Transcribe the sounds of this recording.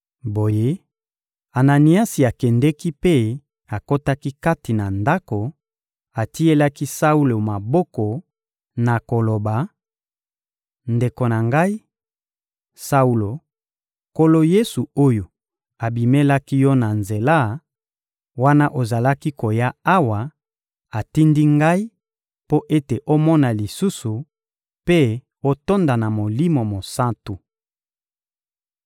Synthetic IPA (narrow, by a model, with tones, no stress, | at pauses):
bo˨je˦ | a˨na˨ni˨a˦si˨a˨kɛ˨ndɛ˦ki˦pe˦ | a˨ko˦ta˦ki˦ka˦ti˨na˨nda˦ko˨ | a˨ti˦e˦la˦ki˦sa˦u˦lo˨ma˨bɔ˦kɔ˨ | na˨ko˨lo˨ba˨ | nde˨ko˨na˨ŋɡa˦i˦ | sa˦u˦lo˨ | ko˦lo˦je˦su˨o˦jo˨ | a˨bi˨me˦la˦ki˦jɔ˦na˨nze˨la˦ | wa˦na˦ʔo˨za˨la˦ki˦ko˨ja˦a˦wa˨ | a˨ti˦ndi˦ŋɡa˦i˦ | po˦ʔe˦te˨ʔo˦mɔ˦na˨li˨su˦su˨ | pe˦ | o˦to˦nda˨na˨mo˨li˦mo˨mo˨sa˦ntu˨